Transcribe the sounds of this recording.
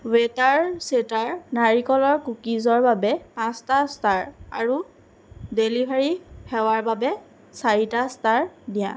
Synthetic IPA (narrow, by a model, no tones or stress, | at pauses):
wetaɹsetaɹnaɹikɔlɔɹkukizɔɹbabɛpãstastaɹa̰ɹu | delibʱaɹihɛwaɹbabɛ | saɹitastaɹdijã̰